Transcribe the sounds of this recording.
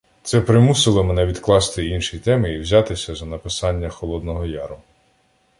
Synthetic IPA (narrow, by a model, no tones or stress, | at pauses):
t̪sɛpɾɪmusɪlˠɔmenɛʋʲid̪klˠɑst̪ɪinʃit̪ɛmɪiwzʲɑt̪ɪsʲɐzɐnɐpɪsɑnʲːɐxɔlˠɔd̪nɔɦɔjɑɾʊ